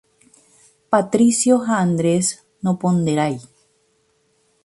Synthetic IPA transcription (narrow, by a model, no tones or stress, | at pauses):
pat̪ɾisjoɦaːnd̪ɾes | nopond̪eɾaj